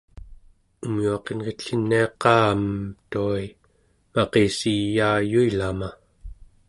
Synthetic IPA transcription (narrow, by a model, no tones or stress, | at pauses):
umjuɑqenʁet̪ɬinːiɑqːɑːməmt̪uai | mɑqesijaːjuilama